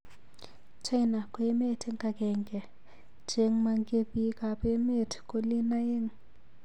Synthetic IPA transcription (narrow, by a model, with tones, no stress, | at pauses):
t͡ʃʰa˦jna˨kwe˦me˦˨tʰi˦ŋɡa˨kɛ˨ŋɡɛ˨ | d͡ʒe˦ŋma˨ŋɡe˦bi˦ka˨pe˦me˦˨tʰi̥˨kʼo˦li˦na˦je˦ŋ